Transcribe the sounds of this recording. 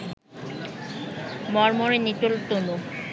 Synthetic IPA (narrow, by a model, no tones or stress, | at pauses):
mɔɾmoɾenit̪olt̪ono